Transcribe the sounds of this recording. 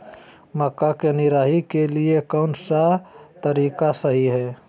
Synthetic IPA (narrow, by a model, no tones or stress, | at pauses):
məkːakenɪɾaːɦikeliekɔːnsat̪əɾiːkasəɦiɦɛː